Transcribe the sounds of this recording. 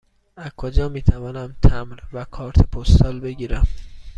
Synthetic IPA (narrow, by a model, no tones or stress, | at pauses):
æzkʰod͡ʒɒːmiːt̪ʰævɒːnæmt̪ʰæmɾvækʰɒːɾt̪ʰepʰost̪ɒːlbe̞ɟiːɾæm